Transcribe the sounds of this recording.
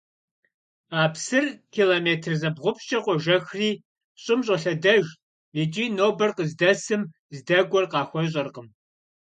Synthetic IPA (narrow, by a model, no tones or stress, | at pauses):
aːpsɨrkʰiːloːmeːtʰrzɐbʁʷʊpʃt͡ʃʼɐqʷɔʒɐxriː | ɕʼɪmɕ̬ʼɐɬɐdɐʒ | id͡ʒʼiːnoːbɐrqəzdɐsɨm | zdɐɡʷɔrqɑːxʷɔɕ̬ʼɐrqəm